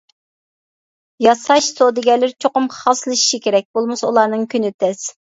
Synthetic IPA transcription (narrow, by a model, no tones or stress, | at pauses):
jɑsɑʃsod̪ɪɡʲɛlːɪɾt͡ʃʰoqʊmχɑslˠɨʃi̥ʃikʲʰeɾɛk̚ʲbolˠmɨsṵlˠɑɾnɨŋkʲʰynɪt̪ʰɛs